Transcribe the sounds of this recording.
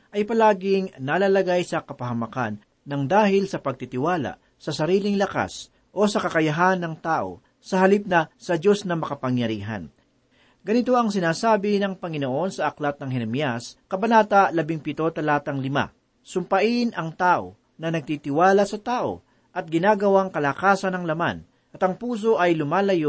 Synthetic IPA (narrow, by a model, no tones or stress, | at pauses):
ʔɐjpɐlaːɡɪŋnalalɐɡajsɐkɐpɐɦɐmɐka̰nː | ɐŋd̪aːhɪlsɐpɐɡ̚t̪it̪ɪwaːla̰ | sɐsɐɾiːlɪŋlɐka̰s | ʔo̞sɐkɐkɐjɐɦanːɐŋt̪aːʔo̞̰ | sɐɦɐlip̚nɐsɐd͡ʒo̞snɐmɐkɐpɐŋjɐɾḭːɦɐ̰n | ɡɐnɪt̪o̞ʔɐŋsɪnaːsaːbɪnɐŋpɐŋɪnoʔo̞nsɐʔɐklat̪̚nɐŋɦɛnɐmjaskɐbɐnaːt̪ɐlɐbɪŋpɪt̪o̞t̪ɐlaːt̪ɐŋlɪma̰ | sʊmpɐʔɪnʔɐŋt̪aːʔo̞̰ | nɐnɐɡ̚t̪it̪ɪwaːlɐsɐt̪aːʔo̞̰ | ʔɐt̪̚ɡɪnaːɡɐwaŋkɐlakaːsɐnɐŋlɐma̰n | ʔɐt̪ɐŋpuːs̬o̞ʔɐjlʊmaːlɐjo